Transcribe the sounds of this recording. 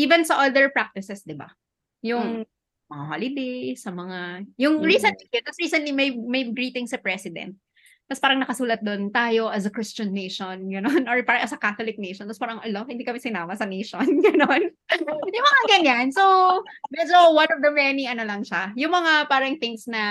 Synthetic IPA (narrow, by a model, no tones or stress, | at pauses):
ʔiːvɛnsɐʔold̪ɛɹpɹak̚t̪ɪsɛsd̪ɪba̰ | jʊŋŋ | mɐŋaholɪd̪ejsɐmɐŋajʊŋɹiːsɛnt̪lid̪osɹiːsɛnt̪limɐjmɐjɡɹiːt̪ɪŋsɐpɹɛsɪd̪ɛ̰nt̪̚ | kɐspaːɾɐŋnɐkɐsuːlɐt̪̚d̪ont̪aːjoʔɐsɐkɹɪst͡ʃɐnːejʃonɡɐnonoɹpaːɾɐʔɐsɐkaːt̪olɪk̚nejʃɔnt̪ɐspaːɾɐŋʔɐlohɪ̃nd̪ikɐmɛsɪnaːmɐsɐnejʃonɡɐnon | ʊmɐŋaɡɐɲansowbɛd͡ʒowanɔvd̪ɐmɛniɐnolɐŋʃajʊŋmɐŋapaːɾɐŋθɪŋsnɐ